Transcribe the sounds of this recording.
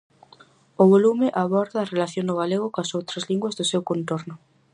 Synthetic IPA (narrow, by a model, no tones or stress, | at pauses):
ʊβolumɪʔaβɔɾðɐːrelaθjoŋʊɣ̞aleɣ̞ʊkɐsowt̪ɾɐzliŋɡwɐzðʊsewkont̪oɾnʊ